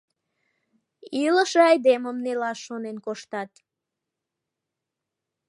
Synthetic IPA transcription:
iləʃeɑjd̪eməmnelɑʃːonenkoʃt̪ɑt̪

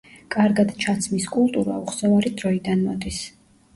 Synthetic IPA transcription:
kʼaɾɡad̪t͡ʃʰat̪sʰmiskʼulˠt̪ʼuɾa̰uχsɛvaɾid̪ɾɔid̪anmɔd̪is

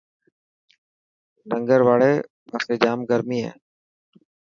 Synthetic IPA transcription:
nəŋɡəɾʋaːɭeː | ʋaːseːd͡ʒaːmɡəɾmiːɦɛ̰ː

